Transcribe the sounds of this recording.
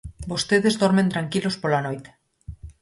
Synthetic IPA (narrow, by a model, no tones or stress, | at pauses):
bost̪eð̞e̞zðoɾment̪ɾaŋkilo̞spolanojt̪e̥